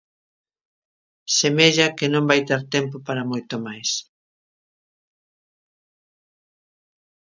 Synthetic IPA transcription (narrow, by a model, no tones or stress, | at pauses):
semeʎɐkenõmbajt̪eɾt̪ɛmp̬opaɾɐmojt̪omajs